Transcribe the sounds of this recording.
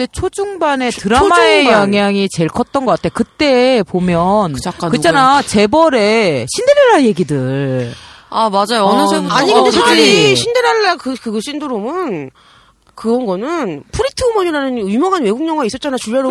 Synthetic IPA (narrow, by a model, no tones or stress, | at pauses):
det͡ɕʰod͡ʑuŋbane̞tɯɾaamaejʌŋɦjaŋit͡ɕe̞ɭkʰʌt̚t͈ʌnɡʌk͈atʰekɯt͈e̞pomjʌnɯakk͈akɯt͡ɕ͈ʰanat͡ɕe̞bʌɾe̞ɕʰinde̞ɾaɭːaje̞ɡidɯɭ | amad͡ʑajoʌnɯsʰeaɲiɡɯndeedɯɾiɕʰindeɾaɭːakɯkɯɡɕʰindoɾomɯn | kɯɾʌnɡʌnɯnpʰuɾitʰɯumoɲiɾanɯnumjʌŋɦanwe̞ɡuŋɲʌŋɡais͈ʌtt͡ɕ͈anat͡ɕuɭjʌɾo